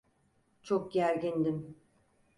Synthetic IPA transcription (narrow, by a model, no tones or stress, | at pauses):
t͡ʃʰok̚ɟæɾɡʲind̪im